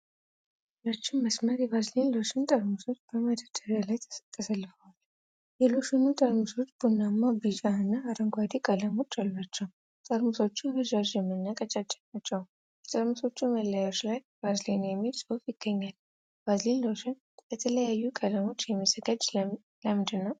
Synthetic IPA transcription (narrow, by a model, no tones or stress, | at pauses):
lot͡ʃːɪmːəsməɾjɛβazlenlo̞ʃɪnt̪ʼəɾmuso̞t͡ʃːb̥əməd̪əd̪əɾalajʰt̪ʰːəsəlːɨfəwal | jɛloʃinut̪ʼəɾmuso̞t͡ʃːbunːamːabid͡ʒaɨnːaːɾəŋɡʷad̪ikʼələmo̞t͡ʃːalːat͡ʃːɛw | t̪ʼəɾmuso̞t͡ʃːuməʒad͡ʒjɛmːɨnːakʼət͡ʃʼat͡ʃʼːɛ̥nat͡ʃːɛw | bət̪ʼəɾmuso̞t͡ʃːuməlːajo̞t͡ʃːlaj | bazlenjɛmːilsofjɪɡ̥ːəɲːal | b̥azlenlo̞ʃɪn | jɛt̪ʰələjajːukʼələmo̞t͡ʃːjɛməzəɡad͡ʒ | lamd̪ɨnːəw